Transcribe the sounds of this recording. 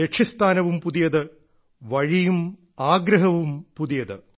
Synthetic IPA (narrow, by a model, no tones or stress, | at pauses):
ekʂʰɐst̪ʰaːnɐʋumpuðijɐðɨ | ʋɐɻijum | aːɡɾɐɦɐʋumpuðijɐðɨ